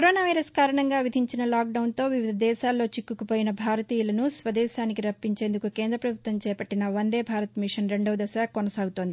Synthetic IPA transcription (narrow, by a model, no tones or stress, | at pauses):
koɾoːnaːʋɐjɾɐskaːɾɐɳɐŋɡaːʋid̪ʱiɲt͡ʃinɐlaːk̚ɖɐwnt̪o̞ːʋiʋid̪ʱɐd̪ɛːʃaːlːo̞ːt͡ʃikːukupoːjinɐbʱaːɾɐt̪iːjulɐnusʋɐd̪ɛːʃaːnik̬iɾɐpːiɲt͡ʃeːnd̪ukukeːnd̪ɾɐpɾɐbʱut̪ʋɐmt͡ʃɛːpɐʈːinɐʋɐnd̪eːbʱaːɾɐt̪miʂɐnɾe̞ɳɖɐʋɐd̪ɐsaːkːonɐsaːɡut̪o̞ːnd̪i